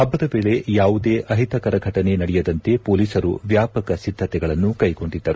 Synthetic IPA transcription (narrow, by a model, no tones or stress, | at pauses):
ɐbːɐd̪ɐʋe̞ːɭe̞jaːʋud̪e̞ːʔɐɦit̪ɐkɐɾɐɡʱɐʈɐne̞nɐɽɛjɐd̪ɐnt̪e̞poːliːsɐɾṵʋjaːpɐkɐsid̪ʱːɐt̪ɛɡɐɭɐnːukɐjko̞ɳɖid̪ːɐɾu